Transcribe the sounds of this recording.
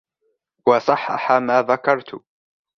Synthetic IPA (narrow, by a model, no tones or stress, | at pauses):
wɑsˤɑħːɑ̰ħamaːðakɑɾˤt̪ʊ